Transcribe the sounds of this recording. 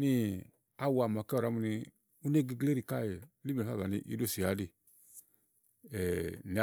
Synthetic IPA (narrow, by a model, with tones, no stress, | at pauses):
ni˦ | a˦wa˨m˨a˨ka˦ɔ˨ɾa˨˦mu˨ni˧ | u˦ne˦ɡi˨ɡle˦ɾi˨ka˦˨je˨li˦˨e˨a˦˨βa˨nḭ˦˨ʔḭ˦do˦˨si˨ja˨˦di˦ | ɛ˨ni˨˦